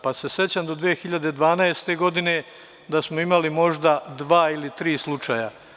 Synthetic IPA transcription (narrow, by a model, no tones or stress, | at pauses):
pase̞se̞t͡ɕamd̪o̞d̪ʋeexiʎad̪e̞d̪ʋaːnaest̪e̞ɡo̞d̪ine̞ | d̪asmoimalimo̞ʒd̪ad̪ʋaːilit̪ɾiːslˠut͡ʃaja